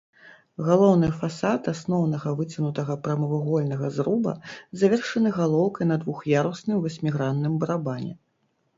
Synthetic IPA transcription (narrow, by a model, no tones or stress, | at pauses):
ɣalˠɔwnɨjfasat̪asnɔwn̪ɐɣɐvɨt͡sʲinut̪ɐɣɐpɾɐmɨvɨɣɔlʲnɐɣɐzɾubɐ̰zavʲɛrʂɐnɨɣalˠɔwkɐjn̪ɐd̪vuxjaɾusnɨmvɐsʲmʲiɣɾanːɨmbɐɾabanʲɛ̰